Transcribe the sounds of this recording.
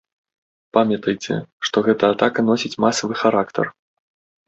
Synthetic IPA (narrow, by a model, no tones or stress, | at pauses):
pamʲjɐt̪ɐjt͡sʲɛ̰ʂt̪ɔɣɛt̪ɐːt̪akɐn̪ɔsʲit͡sʲmasɐvɨxaɾakt̪ɐ̰r